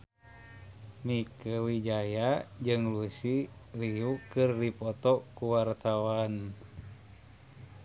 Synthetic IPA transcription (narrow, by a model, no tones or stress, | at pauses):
mikəwid͡ʒajad͡ʒɨŋlusiliukɨrdipɔt̪ɔkuwart̪awan